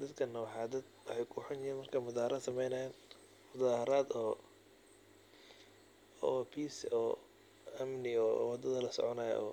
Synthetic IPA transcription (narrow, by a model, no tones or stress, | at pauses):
d̪ɐd̪kʰɐnːɐwɑħɑd̪ɐd̪wɑħɑjkʰʊħʊnjɪiːnmɐrkʰɐmʊðaːhɾaːd̪sɐmɛjnɐjaːn | mʊðaːhɾaːd̪ɔ | ɔpʰiːsɔː | ɐmnɪɔwɑd̪ɐðɐlɐsɔ̰ʕɔnaːjɛ̰ɔ̰ː